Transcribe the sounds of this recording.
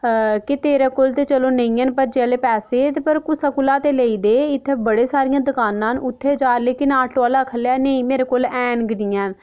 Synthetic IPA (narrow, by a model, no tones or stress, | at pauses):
kɪt̪eːɾeːkoːlt̪eːt͡ʃəloːnəĩːənpəɾd͡ʒeleːpɛːseːt̪eːpəɾkʊsəkʊlaːt̪eːləiːd̪eːɪt̪ʰːeːbəɽeːsaːɾɪjãːd̪ʊkaːnãːnʊt̪ʰːeːd͡ʒaːleːkɪnaːʈoːlaːkʰəljaːnəĩːmeːɾeːkoːlɛːnɡɪɽiːãːn